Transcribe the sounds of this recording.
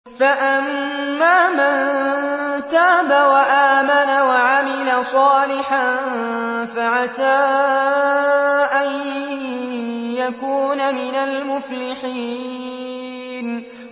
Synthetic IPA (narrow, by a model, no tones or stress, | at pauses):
faʔamːaːman | t̪aːbawaʔaːmanawaʕamɪlasˤɑːlɪħan | faʕasaː | ʔan | jakuːnamɪnalmʊflɪħiː | n